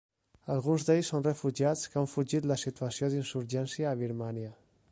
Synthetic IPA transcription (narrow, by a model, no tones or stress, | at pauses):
əlˠɣunzd̪ejsːonrəfuʒiat͡skəaɱfuʒit̪ləsit̪uəsioðinsuɾʒɛnsiəːβ̞iɾmaniə